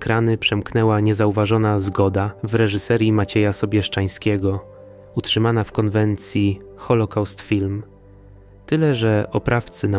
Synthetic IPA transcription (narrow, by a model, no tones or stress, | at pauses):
kɾanɘpʂɛmknɛwaɲɛzauvaʐɔnazɡɔd̪avɾɛʐɘsɛɾʲjimat͡ɕɛjasɔbʲjɛʂt͡ʂaj̃skʲɛɡɔ | utʂɘmanafkɔnvɛnt̪sʲji | xɔlɔkawst̪fʲilm | t̪ɘlɛʐɛʔɔpɾaft̪sɘna